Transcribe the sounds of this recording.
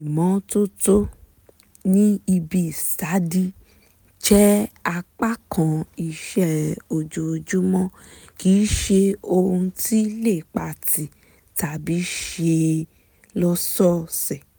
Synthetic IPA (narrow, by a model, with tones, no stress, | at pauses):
i˨mɔ̃˨˦to˦to˦ | nĩ˦i˧bi˧˦˨sa˨˦di˧ | t͡ʃɛ˦a˧k͡pa˦˨kã˧i˧ʃɛ˦˨o˧d͡ʒo˧o˧d͡ʒu˦mɔ̃˦ | ki˨˦ʃe˧o˧hũ˧ti˦le˦˨k͡pa˨ti˨ | ta˨bi˨˦ʃe˧ | lɔ˧sɔ˦˨sɛ˨